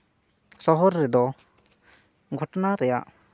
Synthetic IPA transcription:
sɔɦɔɾːɛd̪ɔ | ɡʱɔʈɔnaɾɛja̰ʔ

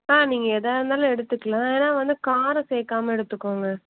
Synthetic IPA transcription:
aːniːŋɡɐɛðaːɪɾɯnd̪aːlʊ̃ɛɽɯt̪ːɯkːɐlãːeːnaːʋɐnd̪ɯkaːɾɐseːkːaːmɐɛɽɯt̪ːɯkːoːŋɡɐ

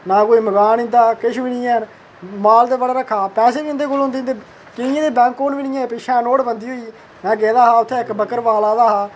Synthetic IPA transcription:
naːkoːiːməɡaːnĩnd̪aːkɪʃʋɪɽɪjãː | maːld̪eːbəɽaːɾəkʰːaːpɛːseːʋiːnd̪eːkʊlõnd̪eːnd̪eː | kɪnɪjãːd̪eːbɛ̃ːŋkːoːnʋɪɽɪjãːpɪʃʰɛ̃ːnoːɽbənd̪iːɦoːiː | nɛ̃ːɡeːd̪aːɦaːʊt̪ʰːeːɪkbəkəɾʋaːlaːd̪aːɦaː

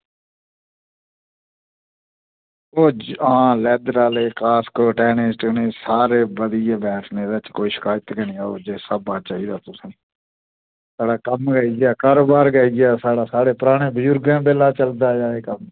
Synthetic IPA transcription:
oːãːlɛːd̪ɾaːleːkaːskoːʈɛːnɪsʈneːsaːɾeːbəd̪ɪjeːbɛːʈʰneːd̪aːt͡ʃkoːiːʃɪ̥kaːjət̪ɡənĩːaːoːd͡ʒeːsəbaːt͡ʃaːiːd̪aːt̪ʊsẽː | saːɽaːkəmɡəiɡjaːkəɾoːbaːɾɡəːiɡjaːsaːɽaːsaːɽeːpʊɾaːɽ̃eːbəd͡ʒʊɾɡãːbeːlaːt͡ʃəld̪aːd͡ʒaːeːkəm

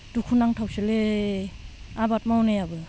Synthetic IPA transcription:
dukʰunaŋtʰawsele | abat̚mawnajabɯ

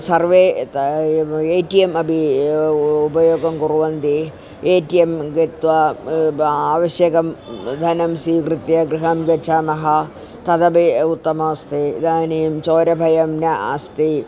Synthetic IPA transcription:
sɐrʋeːt̪ | eːʈijemɐbʱi | ubɐjoːɡɐmkuɾuʋɐnd̪i | eːʈijemɡet̪ʋɐ | aːʋɐʃjɐkɐmd̪ʱɐnɐmsiːkrɨt̪jɐɡɾiɦɐmɡɐt͡ʃʰamɐɦɐ | t̪ɐd̪ɐbeut̪ːɐmɐst̪ʰḭd̪aːnijɐmt͡ʃoːɾɐbʱɐjɐmnɐɐ̰st̪i

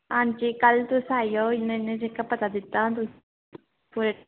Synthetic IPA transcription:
ãːnt͡ʃikəlt̪ʊsaːijoːɪnẽnẽd͡ʒekːapət̪ad̪ɪt̪ːãt̪̬ʊs | puɾe

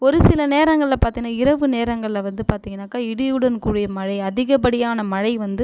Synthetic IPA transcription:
ɔɾɯsɪlɐneːɾɐŋɡɐɭɪlɐpaːɾt̪iŋɡɐnːaːɪɾɐʋɯneːɾɐŋɡɐɭɪlɐʋɐnd̪ɯpaːɾt̪iŋɡɐnːaːkaːɪɽɪjɯɽɐnkuːɽɪjɐmɐɻɐɪɐðɪɣɐpɐɽɪjaːnɐmɐɻɐɪʋɐnd̪ɯ

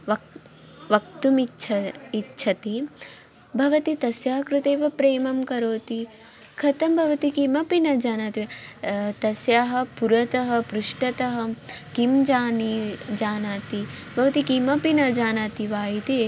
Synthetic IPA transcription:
ʋɐ | ʋɐk̚t̪umit͡ʃʰɐitːʃʰɐt̪i | bʱɐʋɐt̪it̪ɐsjaːɦɐkɾut̪eːʋɐpɾeːmɐmkɐɾoːt̪i | kʰɐt̪ɐmbʱɐʋɐt̪ikimɐpinɐd͡ʒaːnaːt̪i | t̪ɐsjaːɦɐ̆puɾɐt̪ɐɦɐpɾuʂʈɐt̪ɐɦɐ̆kimd͡ʒaːnid͡ʒaːnaːt̪i | bʱɐʋɐt̪ikimɐpinɐd͡ʒaːnaːt̪iʋaːjit̪e

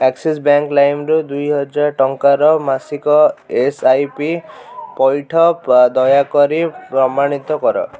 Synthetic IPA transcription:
ekses̬baŋklajmɾud̪ujɦɔd͡ʒaɾʈɔŋkaɾɔmasikɔesajpipɔjʈʰɔd̪ɔjakɔɾipɾɔmaɽ̃it̪ɔkɔɾɔ̰

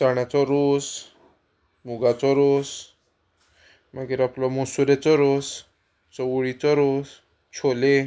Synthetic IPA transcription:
t͡saɳjat͡sɔɾos | muɡat͡sɔɾos | maɡiɾaplɔmɔsuɾet͡sɔɾos | t͡sɔwɭit͡sɔɾos | t͡ɕʰole

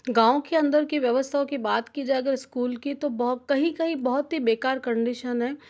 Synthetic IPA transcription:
ɡãːõkeɐ̃nd̪əɾkiʋjɐʋəst̪ʰaõkibaːt̪kid͡ʒaːeɐɡəɾɪskuːlkit̪obkɐɦĩkɐɦĩbɔɦʊt̪ɦibeːkaːɾkɐ̃ɳɖɪʃənɦɛː

